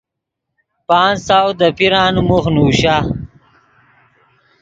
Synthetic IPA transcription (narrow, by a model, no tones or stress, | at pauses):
paːnsawd̪əpiɾaːnumuxnuːɕa